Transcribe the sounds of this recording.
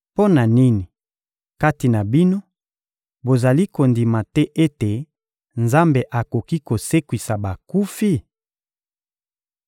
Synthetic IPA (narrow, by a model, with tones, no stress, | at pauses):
po˦na˨ni˦ni˨ | ka˦ti˨na˨bi˦no˦ | bo˨za˨li˦ko˨ndi˨ma˨tɛ˦ʔe˦te˨ | nza˦mbe˨ʔa˨ko˨ki˦ko˨se˦kwi˨sa˨ba˨ku˦fi˦˨